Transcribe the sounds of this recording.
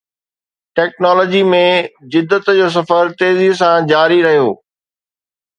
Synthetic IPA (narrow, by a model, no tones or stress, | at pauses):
ʈɛːknɔːlɔːd͡ʑimẽd͡ʑɪd̪ːət̪d͡ʑoːs̬ɐfəɾt̪eːzis̬ãd͡ʑaːɾiɾɐɦijoː